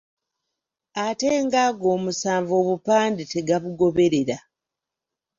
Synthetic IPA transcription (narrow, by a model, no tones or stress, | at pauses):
ate̞ːŋɡaːɡo̞ːmusaːɱvo̞ːβupaːndite̞ɡaβuɡo̞βe̞ɾe̞ɾa